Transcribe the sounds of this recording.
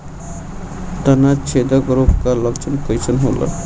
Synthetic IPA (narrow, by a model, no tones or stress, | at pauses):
t̪ənat͡ʃʰed̪əɡɾopʰkaləkt͡ʃʰənkəjt͡ʃʰənɦolʔə̰